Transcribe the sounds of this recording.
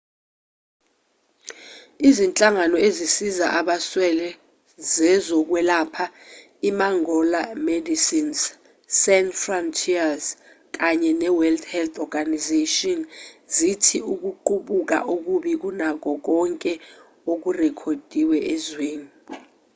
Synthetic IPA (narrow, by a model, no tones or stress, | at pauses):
izint͡ɬʼaŋanɔezisiza̰ʔaɓaswɛlɛ | zɛzɔk̬wɛlapʰa | imaŋɔlamedisins | sɛnfrɔntʰiaz | k̬aɲɛnɛwɛldhɛlt̪ʰɔɡanizetɔnzitʰiuk̬uǃuɓuk̬a̰ʔuk̬uɓik̬unak̬ɔk̬ɔŋkʼɛ | ok̬urɛkʰod̥ʱiwɛʔɛzweːni